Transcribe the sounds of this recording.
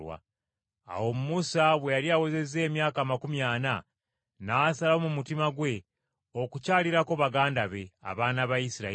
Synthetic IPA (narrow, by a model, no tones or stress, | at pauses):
wa̰ | a̰wo̞mumusaβwejaɾiaweze̞ze̞ːmjaːkaːmakumjaːna | naːsalaomumutimaɡwe̞ | o̞kucaːliɾako̞βaɡaːndaβe̞a̰βaːnaβajisiɾa̰